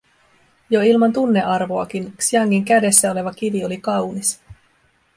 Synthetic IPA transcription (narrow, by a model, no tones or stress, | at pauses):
jo̞ilmɑnt̪unːe̞ʔɑrʋo̞ɑkinksiɑŋːiŋkæde̞sːæo̞le̞ʋɑkiʋio̞likɑwnis